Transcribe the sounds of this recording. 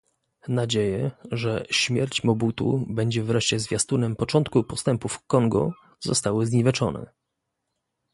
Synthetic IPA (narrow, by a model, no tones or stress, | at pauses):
nad͡ʑejɛʐɛɕmʲjɛɾt͡ɕmɔbut̪ṵbɛɲd͡ʑɛvɾɛʂt͡ɕɛzvʲjast̪unɛmpɔt͡ʂɔnt̪kupɔst̪ɛmpufkɔŋɡɔ̰ | zɔ̰st̪awɘzɲivʲɛt͡ʂɔnɛ̰